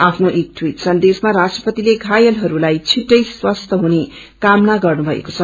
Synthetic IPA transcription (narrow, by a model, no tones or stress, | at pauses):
apʰnoʔek̚ʈʰwiʈsʌnd̪esmaɾasʈrʌpʌt̪ileɡʱajʌlɦʌɾulajt͡sʰiʈːʌjswʌst̪ʰʌɦune | kamnaɡʌrnubʱʌḛko̥t͡sʰʌ